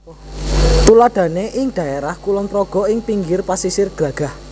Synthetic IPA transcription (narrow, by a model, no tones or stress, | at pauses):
t̪ulad̪̥ä̤neʔɪŋd̪̥ä̤eɾahkulɔnt̪ɾɔɡ̥ɔ̤ɪŋpiŋɡɪrpasisɪrɡ̥ä̤ɡ̥a̤h